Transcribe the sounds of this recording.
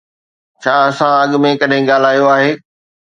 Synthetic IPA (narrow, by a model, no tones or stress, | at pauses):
t͡ɕʰaːɐsãɐɠʊ̆mẽkɐɗɦɪ̃ɠaːl̤aːjoaːɦeː